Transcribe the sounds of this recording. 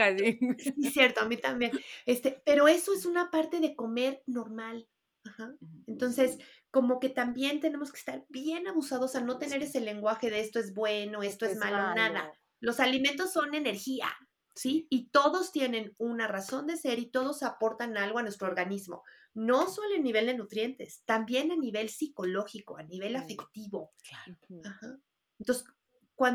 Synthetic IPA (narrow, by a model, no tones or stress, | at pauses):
aisisje̞ɾt̪oamit̪ambje̞nest̪e̞pe̞ɾo̞e̞so̞e̞sunapaɾt̪e̞ðe̞ko̞me̞ɾno̞ɾmal | axaent̪o̞nse̞s | ko̞mo̞ke̞t̪ambje̞nt̪e̞ne̞mo̞ske̥st̪aɾbje̞naβusaðosano̞t̪e̞ne̞ɾe̞se̞le̞ŋɡwaxe̞ðeest̪o̞ezβwe̞no̞est̪oezmalonaða̰ | lo̞salimẽnt̪o̞sːo̞ne̞ne̞ɾxia̰ | siit̪o̞ðo̞st̪je̞nẽ̞nunaraso̞nd̪ese̞ɾit̪o̞ð̞o̞sapo̞ɾt̪analɣo̞anwest̪ɾooɾɣanizmo̞̰ | no̞so̞loeniβ̞e̞ld̪e̞nut̪ɾje̞nt̪e̞̰st̪ambje̞naniβe̞lsiko̞lo̞xiko̞̰aniβe̞lafe̞kt̪iβo̞kaaxa | ent̪os | kwan